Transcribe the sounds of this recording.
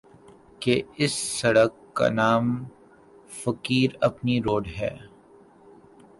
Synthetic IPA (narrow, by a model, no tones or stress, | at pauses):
keɪsːɐɽəkːa̰naːm | fɐkiːɾɐpniɾoːɖɦɛ̰ː